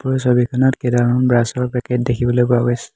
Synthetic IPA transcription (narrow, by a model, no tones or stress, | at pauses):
puɹɔsobikʰɔnɔtkedaɹɔnbɹasɔɹpɛket̚dekʰibɔlojbaɡɔjs